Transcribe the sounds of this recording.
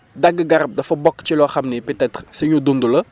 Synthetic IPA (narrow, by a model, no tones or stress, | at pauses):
dɐɡɡɐɾɐp̚dɐfɐbɔkːt͡ʃilɔxɐmnipɛtɛtɾsɐɲudundulɐ